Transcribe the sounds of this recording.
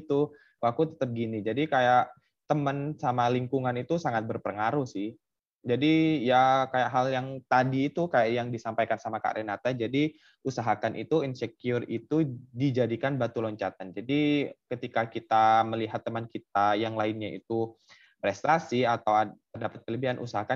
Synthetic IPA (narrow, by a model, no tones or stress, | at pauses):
t̪u | wak̚k̪ut̪ə̥t̪əp̚ɡinid͡ʒadikajaʔ | t̪əmənsamaliŋkuŋanit̪usaŋat̪̚bərpəŋaɾuhsɪh | d͡ʒadijakajaʔɦaljaŋt̪adiːt̪ukajaʔjaŋdisampajkansamaka̰ʔɾenat̪ad͡ʒadi | usaɦakanʔḭt̪uinsɛkiʊrit̪udid͡ʒadikanbat̪ulɔɲt͡ʃat̪and͡ʒadikət̪ikakit̪aməliɦat̪ːəmənkit̪̚ajaŋlaɪnɲaḭt̪u | pɾɛst̪asiat̪awat̪ərdapat̪̚kələbiɦanʔṵsaɦakan